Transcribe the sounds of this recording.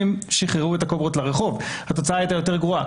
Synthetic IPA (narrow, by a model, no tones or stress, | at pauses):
imʃiχeʁuetakobot̪laʁeχo̞vhat̪o̞t͡saaːaijt̪ajo̞t̪e̞ʁɡʁoa